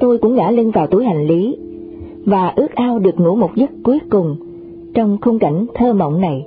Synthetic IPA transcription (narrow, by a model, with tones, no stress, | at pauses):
t̪o˧jkʊ̰˧˥ŋ͡mŋa̰ː˧˥li˧nvaː˨˩wt̪u˧˩jɦa˨˩jŋ̟li˨˦ | vaː˨˩ʔɨ˦˥ək̚ʔaː˧wɗɨ˨˩ək̚ŋṵ˧˥mo˨˩t̚zə˦˥t̚ku˨˦əkʊ˨˩ŋ͡m | t͡ɕɔ˧wŋ͡mxʊ˧ŋ͡mka˧˩jŋ̟t̪ʰəː˧mə̰˧˨wŋ͡mna˨˩j